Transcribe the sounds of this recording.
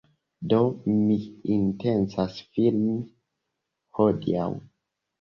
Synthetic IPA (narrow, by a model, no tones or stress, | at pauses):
do̞miintensasfilmi | hodḭa̰w